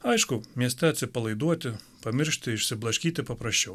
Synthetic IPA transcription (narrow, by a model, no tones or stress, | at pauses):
ɑjʃkʊmʲɛst̪ɛt̪sʲɛpɐlˠɐjd̪ɔt̪ɪ | pɐmɪɾʃt̪ɪiʃsɪblˠɐʃkʲit̪ɪpɐpɾɐʃʲt͡ʃːɔw